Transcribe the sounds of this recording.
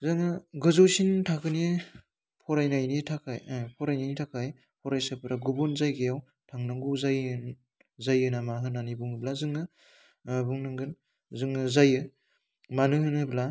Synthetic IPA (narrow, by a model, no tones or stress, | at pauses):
zaŋɯɡɯzowsintʰakɯne | pʰɔɾajnajnitʰakʰajpʰɔɾajnajnitʰakʰaj | pʰɔɾajsapʰɯɾaɡubunzajɡejaw | tʰaŋnaŋɡuzaj | zajɯnamaɦɯnanibuŋɯblazɯŋɯ | buŋnɯŋɡɯn | zɯŋɯzajɯ | manɯhɯnɯbla